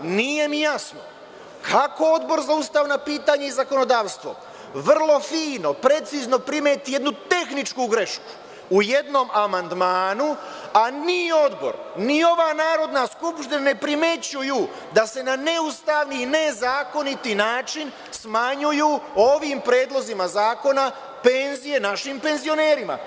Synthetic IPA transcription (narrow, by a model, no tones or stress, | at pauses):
nije̞mijasno̰ | kʰako̞o̞d̪bo̞ɾzaust̪aːʋnapiːt̪aːɲeizako̞no̞d̪aːʋst̪ʋo̞̰ | ʋr̩lˠo̞fiːno̞pɾe̞t̪sizno̞pɾimeːt̪ije̞d̪nut̪e̞xnit͡ʃkuɡɾe̞ʃku̥ː | je̞d̪no̞mamand̪maːnuanio̞d̪bo̞̰ɾnio̞ʋaːnaːɾo̞d̪naskupʃt̪inane̞pɾime̞t͡ɕuju | d̪ase̞nane̞ust̪aːʋniːne̞zaːko̞nit̪inaːt͡ʃin | smaɲujuo̞ʋimpɾe̞ːd̪lˠo̞zimazaːko̞na | pe̞nzije̞naʃimpe̞nzio̞neːɾima̰